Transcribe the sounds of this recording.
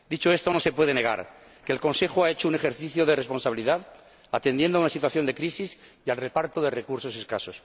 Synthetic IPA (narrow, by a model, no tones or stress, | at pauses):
d̪it͡ʃo̞e̞st̪o̞no̞se̞pwe̞ð̞e̞ne̞ɣ̞a̰ɾ | ke̞ːlko̞nse̞xoae̞t͡ʃoune̞xeɾθiθjoðere̞spo̞nsaβiliðað | at̪e̞nd̪je̞nd̪oaunasit̪waθjo̞nd̪ekɾisisjalre̞paɾt̪oðere̞kuɾso̞seskaso̞s